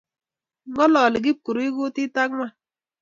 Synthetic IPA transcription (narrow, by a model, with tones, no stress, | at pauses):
ŋɔ˦lɔ˨lɪ˨ɡɪ˦p̚ku˨ɾo˨˦i˦ɡu˦tɪ˦ta˦a˦